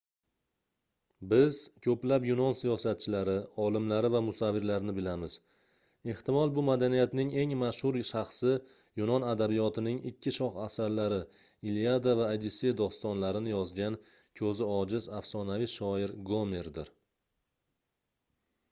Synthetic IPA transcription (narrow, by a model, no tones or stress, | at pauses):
bɪzkʲʰɵplapjʊnɒnsijɒsat̪̚t͡ʃʰɪlaɾɪɒlɪmlaɾɪvamʊsavːɪɾlaɾnɪbɪlamɪz̥ | e̞ht̪ɪmɒlˠbʊmad̪anijat̪nɪŋe̞ŋmaʃhʊɾʃaχsɪ | jʊnɒnad̪abijɒt̪ʰɪnɪŋɪkʲʰːɪʃɒχasaɾlaɾɪ | ilijad̪avaːjd̪ised̪ɒst̪ɒnlaɾɪnɪjɒzɡʲan | kʲʰɵzɪɒd͡ʒɪzafsɒnaviʃɒɪɾɡomeɾd̪ɪɾ